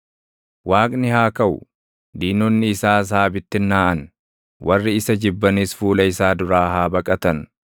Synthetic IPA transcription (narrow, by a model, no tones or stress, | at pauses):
waːkʼnɪhaːkɐʔʊ̰ | d̪iːnɔnːɪːsaːs̬aːbɪt̪ːɪnːaːʔɐn | wʔɐrːɪɪsɐd͡ʒɪbːɐnisfuːlɐɪsaːd̪ʊɾaːɦaːbɐkʼɐt̪ɐn